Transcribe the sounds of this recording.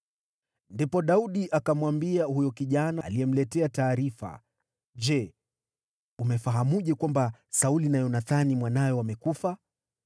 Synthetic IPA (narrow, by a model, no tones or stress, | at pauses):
ndipɔɗauɗiʔakamwambiahujɔkiʄanaliɛm̩lɛtɛataːɾifa̰ | d͡ʒɛ | umɛfaɦamuʄɛkwambasaulinajɔnaθanimwanajɔwamɛkufa